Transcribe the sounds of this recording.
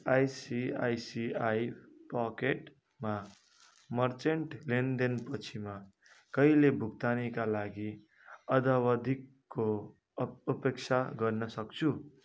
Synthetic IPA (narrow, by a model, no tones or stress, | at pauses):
ajsiajsiajpakeʈ | ma | mʌrt͡seɳʈlend̪enpʌt͡sʰima | kʌilebʱukt̪anikalaɡi | ʌd̪awʌd̪ʱikːo | upekt͡sʰaɡʌrnʌsʌkt͡sʰu